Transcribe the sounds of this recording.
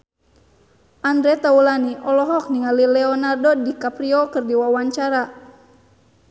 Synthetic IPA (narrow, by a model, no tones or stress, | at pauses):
ʔandɾɛt̪aulaniʔɔlɔɦɔk̚niŋalilɛɔnardɔdikapɾiɔkɨrdiwawaɲt͡ʃaɾa